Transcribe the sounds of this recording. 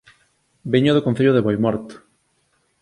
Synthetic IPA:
biɲoðokon̟θeʎoðeβojmɔɾt̪

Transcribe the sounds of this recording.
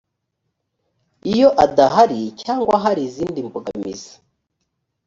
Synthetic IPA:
ijo̞ʔadaɦaɾicaːŋɡwaɦaɾiziːndimbuɡa̰mḭzḁ

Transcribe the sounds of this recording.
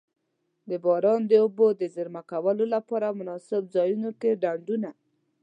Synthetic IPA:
d̪əbɑɾɑnd̪əobod̪əzəɾmakawəlolapɑɾamʊnɑsɪbzɑjunokeɖaɳɖuna

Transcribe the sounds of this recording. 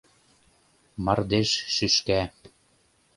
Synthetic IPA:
mɑrd̪eʃʃyʃkæ

